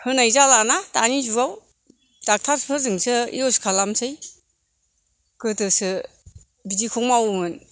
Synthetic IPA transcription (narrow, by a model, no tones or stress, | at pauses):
hɯnajzalanatanizuɡaw | d̥ak̚tʰaspʰɯzɯŋsʰɯḭɔskʰalamsʰɯj | kɯtɯsɯ | bidikʰɔŋmawumɯn